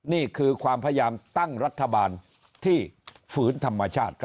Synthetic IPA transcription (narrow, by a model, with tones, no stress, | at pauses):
niː˥˩kʰɯː˧kʰwaː˧mpʰa˧˦a˦jaː˧mt̪a˥˩ŋɾa˦˥t̪ʰːa˧baː˧n | t̪ʰiː˥˩fɯː˩˦˥nt̪ʰa˧mːa˧t͡ɕʰaː˥˩t̪̚kʰ